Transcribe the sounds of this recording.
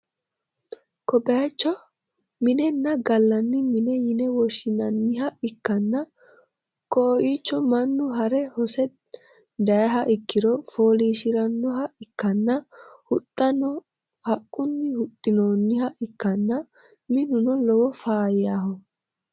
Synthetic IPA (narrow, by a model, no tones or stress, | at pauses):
kɔbɐjɐt͡ʃːɔ | mɪnɛnːɐɡɐlːɐnːɪmɪnɛjɪnɛwɔʃɪnɐnːɪɦɐɪkːɐnːɐ | koʔiːt͡ʃːɔmɐnːʊɦɐɾɛhɔsɛ | d̪ɐjɐɦɐʔɪkːɪɾɔfoːliːʃɪɾɐnːɔɦɐɪkːɐnːɐhʊt̪ʼːɐnɔ | hɐkʼːʊnːɪhʊt̪ʼːɪnoːnːɪhɐʔɪkːɐnːɐ | mɪnʊnɔlɔwɔfaːjaːhɔ